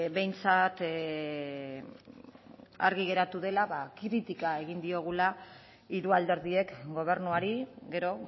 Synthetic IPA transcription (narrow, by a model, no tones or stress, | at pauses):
be̞jnt͡sat̪ | a̰ɾɣiɣe̞ɾat̪uðe̞laβakɾit̪ikae̞ɣind̪io̞ɣ̞ula | iɾuald̪e̞ɾðie̞kɡo̞β̞e̞ɾnuaɾiɡe̞ɾo̞